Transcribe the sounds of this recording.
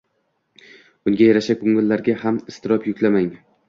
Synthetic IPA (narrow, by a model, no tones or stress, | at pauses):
ʊŋɡʲajaɾaʃakʰʊŋɪlːaɾɡʲahamɪst̪ɪɾɒpʰjʊkʲlamaŋ